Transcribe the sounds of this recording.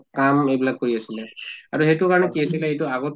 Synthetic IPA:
kamejbilaɡ̚kːoɹiasilɛaɹuhetukaɹɔnɛkiasilɛejtuaɡɔt

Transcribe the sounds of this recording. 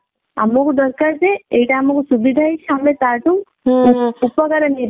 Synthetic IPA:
a̰mɔkd̪ɔɾkaɾzeejʈaːmɔksubid̪ʱajt͡ʃʰamlet̪aʈu | upɔkaɾaniɾ

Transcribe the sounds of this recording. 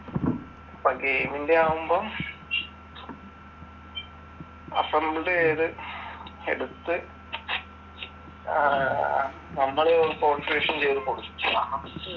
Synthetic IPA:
ɐpːɐɡeːmindeaːʋumboː | ɐ̰pːɐmːɽeðɨ | ḛɽut̪ːɨ | nɐmːɐɭeoɾupoːsreːʂɐnt͡ɕejɐðukoɽukːiɐaːɦɐ

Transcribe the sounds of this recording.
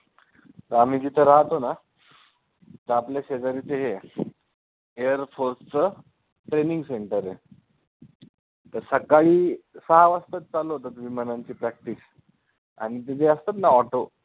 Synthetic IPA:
t̪əɾam̤iːd͡ʑit̪ʰəɾaɦt̪ona | t̪əɾapljaɕed͡zaɾit̪eɦe | eəɾfʰoɾst͡sə | ʈɾeniŋɡseɳʈəɾɦe | t̪əɾsəkaɭiːsəɦaʋəst̪ət̪̚t͡saloɦot̪ət̪umiːmənaɲt͡ɕiːpɾæk̚ʈis | a̰ɽ̃it̪̬it̪ʰeəst̪ət̪naɔʈo

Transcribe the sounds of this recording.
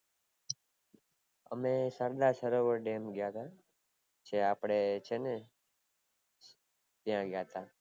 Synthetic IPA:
ə̰mẽːsəɾd̪aːsəɾoːʋəɾɖeːmɡjaːt̪aː | t͡ʃʰeːaːpɽeːt͡ʃʰeːne | t̪ɪjãːɡjaːt̪aː

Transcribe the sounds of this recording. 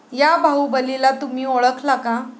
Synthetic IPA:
jabʱaubəlilat̪um̤iːɔɭəkʰlaɡã

